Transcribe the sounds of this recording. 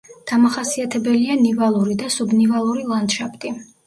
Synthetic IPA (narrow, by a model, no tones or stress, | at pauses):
d̪̥amaχasiat̪ʰɛbɛlianivalˠuɾid̪asubnivalˠuɾilˠand̪̥ʃapʰt̪ʼi